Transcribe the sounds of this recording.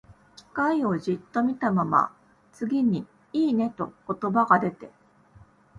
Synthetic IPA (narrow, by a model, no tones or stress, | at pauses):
kʲi̥kaio̞ʑit̪ːo̞mʲit̪amama̰ | t͡sɨɡʲiɲ̟i | iːne̞t̪o̞ko̞t̪o̞baɡad̪e̞t̪e̞